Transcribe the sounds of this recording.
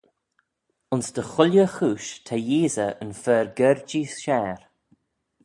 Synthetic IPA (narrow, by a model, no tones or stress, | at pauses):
ʊnsd̪əxʊljəxuːʃt̪ʰajiːzəənfɛːɾɡɛɹd͡ʒiːsʃɛːɾ